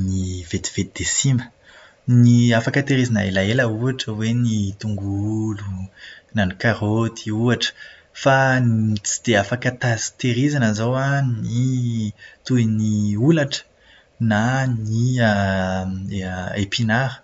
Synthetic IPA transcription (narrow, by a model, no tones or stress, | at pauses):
nivet̪i̥v̥et̪id̪̥esimə̥ | niafakət̪eɾizanə̰elaeləuaʈ͡ʂəwenit̪uŋɡulunanikaɾot̪ʰiuaʈ͡ʂə̥ | fat͡si̥d̪̥eafakət̪azi̥t̪eɾizanəzowani | t̪uiniulaʈ͡ʂə̥ | naniə | epinaɾə̥